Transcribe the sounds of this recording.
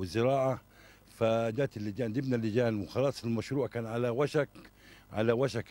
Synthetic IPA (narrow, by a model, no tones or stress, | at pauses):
ɪzɪɾˤɑːʕa | fad͡ʒaːt̪ɪlːɪd͡ʒaːnd̪ɪbnalːɪd͡ʒaːnwɪxɑlɑːsˤɪlmaʃɾuːʕkaːnʕalawaʃak | ʕa̰lawaʃak